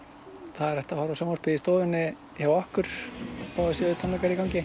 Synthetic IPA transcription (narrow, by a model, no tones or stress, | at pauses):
θaðɛɾɛht̪ahaɾasɛmɔɾpɪðist̪oːðʏnːɪ | çawahkʏɾ̥θawɛ̥sjɛðʏt̪ʰɔnmɛkaɾikawŋcɪ